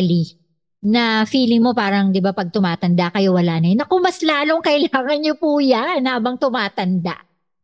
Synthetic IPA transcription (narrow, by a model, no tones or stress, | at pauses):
li | nɐfiːlɪŋmo̞paːɾɐŋd̪ɪbapɐɡ̚t̪ʊmaːt̪ɐnd̪aʔkɐjowɐlaːnɐjonɐkoŋmɐslaːlo̞ŋkɐʔɪlaːŋɐnɲopuːjanhaːbɐŋt̪ʊmaːt̪ɐnd̪a̰ʔ